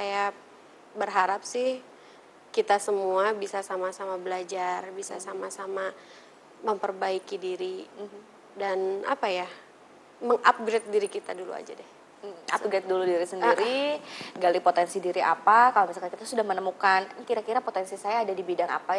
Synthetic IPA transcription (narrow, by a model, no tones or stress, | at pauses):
saja | bərɦaɾap̚sɪh | kit̪asəmuabisasamasamabəlad͡ʒarbisasamasama | məmpərbaikidiɾi | dana̰paja | məŋʔap̚ɡɾet̪̚diɾikit̪adulṵa̰d͡ʒa̰dɛh | m̩aɡɾet̪̚duludiɾisəndiɾiɡalipot̪ɛnsidiɾiʔa̰pakalomisalkankit̪asudahmənəmukankiɾakiɾapot̪ɛnsisajaːdadibidaŋa̰pa